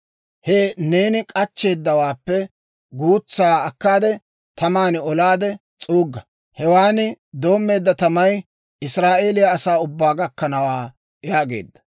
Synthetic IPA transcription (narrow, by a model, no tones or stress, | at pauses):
hɛneːnɪkʼɐt͡ʃːe̞ːd̪ːɐwaːpːɛ | ɡuːt͡sːaːɐkːaːd̪ɛ | t̪ɐmaːnɪɔlaːd̪ɛ | t͡sʼuːɡːɐ | hɛwaːnɪ | d̪o̞ːmːe̞ːd̪ːɐt̪ɐmɐj | ɪsɾaːʔeːlɪjɐːsaːʊbːaːɡɐkːɐnɐwaː | jaːɡe̞̰ːd̪ːɐ̥